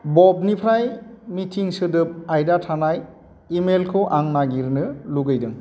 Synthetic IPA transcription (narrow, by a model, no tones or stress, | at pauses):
bɔb̚nipʰɾajmitʰiŋsɯdɯp̚ajdatʰanaj | imelkʰɯʔaŋnaɡiɾnɯluɡɯjdɯŋ